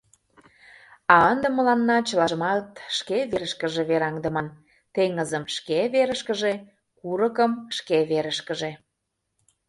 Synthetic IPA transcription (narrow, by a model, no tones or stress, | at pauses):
ɑənd̪ə̆məlɑnːɑt͡ɕəlɑʒəmɑt̪ʃkeβeɾəʃkə̆ʒeβeɾɑŋd̪ə̆mɑn | t̪eŋəzə̆mʃkeβeɾəʃkəʒe | kuɾəkəmʃkeβeɾəʃkə̆ʒe